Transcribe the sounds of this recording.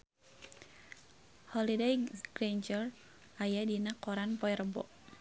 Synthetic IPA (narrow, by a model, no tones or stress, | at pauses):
hɔlidejɡ̥ɾend͡ʒər | ajadinakɔɾanpɔɛɾəbɔ̰ʔ